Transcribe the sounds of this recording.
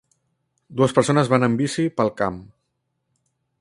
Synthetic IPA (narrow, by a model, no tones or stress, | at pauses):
d̪uəspəɾsonəzβanəmbisipəlˠkam